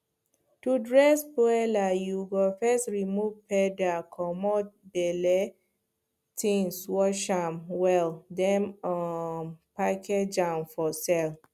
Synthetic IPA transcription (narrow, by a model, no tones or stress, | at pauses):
tudɹɛsbɔɛlajuɡɔfɛstɹimuvpɛdakʰɔmɔt̚bɛlɛ | tʰĩŋswɔʃãmwɛldɛ̃mɔ | pakʰɛd͡ʒãnfɔsɛl